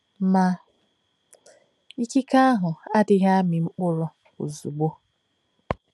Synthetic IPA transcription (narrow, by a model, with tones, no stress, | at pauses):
ma˨ | i˦ki˦ka˦a˦ɦʊ˨a˦dɪ˦ɦa˦mɪ˨ŋ͡m̩˦k͡pʊ˦ɾʊ˦ | o̰˨zu˨ɡ͡bo˦